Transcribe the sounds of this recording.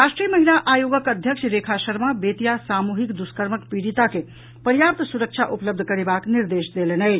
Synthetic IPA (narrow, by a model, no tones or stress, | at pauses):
ɾaʃʈɾijəməɦilaʔajoɡəkəd̪ʱjəksʰɾekʰasəɾmabet̪ijasamuɦikd̪uskəɾməkpiɾit̪ake | pəɾjap̚t̪suɾək̚t͡ʃʰaʔupləb̚d̪ʱkəɾebakniɾd̪esd̪elenəɪ